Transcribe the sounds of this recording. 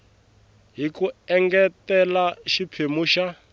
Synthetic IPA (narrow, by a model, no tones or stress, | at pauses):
ɦikuɛŋɡɛtɛlaʃipʰemuːʃa